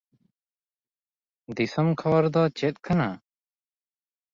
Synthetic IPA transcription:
d̪isəmkʰɔbɔɾd̪ɔt͡ʃɛt̪̚kana

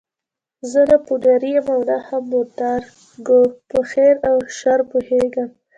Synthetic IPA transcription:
zəlapuɖaɾijamawlahamːoɾd̪aɾ | ɡopəxeɾawʃaɾpoheɡam

